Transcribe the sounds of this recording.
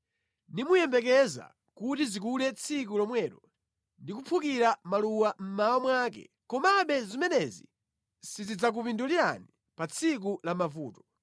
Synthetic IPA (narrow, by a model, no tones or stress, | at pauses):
nimujɛmbɛk̬ɛza̰ | kutizikulɛt͡sʰik̬ulɔmwɛːɾɔ | ndik̬upʰukiɾamaluwam̩maɔmwakɛ̰ | kɔmaɓɛzimɛnɛzḭ | sizid͡zak̬upinduliɾa̰ni | pat͡sʰik̬ulamavuːtɔ̥